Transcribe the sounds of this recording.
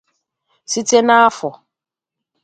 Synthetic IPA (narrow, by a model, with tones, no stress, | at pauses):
si˦te˦na˦a˦fʊ˨